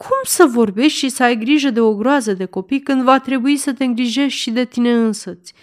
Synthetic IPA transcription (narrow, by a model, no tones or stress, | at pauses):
kʰumsəvo̞rbe̞ʃt̪ʲʃisəajɡɾiʒəd̪e̞o̞ɡɾoazəd̪e̞ko̞pijkɨnd̪vat̪ɾe̞buisət̪e̞ɨŋɡɾiʒe̞ʃʃid̪e̞t̪ine̞ɨnsot̪sʲ